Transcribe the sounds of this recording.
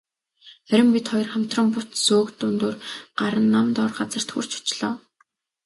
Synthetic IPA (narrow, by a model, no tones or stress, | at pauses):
χæɾʲɪ̆mpʲit̪χɔjɞ̆rχam̥t̪rə̆mpʊt̪soːkt̪ʊnt̪oːrɢ̥aɾə̆nːamt̪ɔːrɢat͡sə̆r̥t̪xṵr̥t͡ɕʰʊ̥t͡ɕɮ̥ɔː